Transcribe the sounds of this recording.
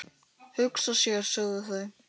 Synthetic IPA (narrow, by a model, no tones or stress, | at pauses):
hʏksasjœɾ̥sœɣðʏθað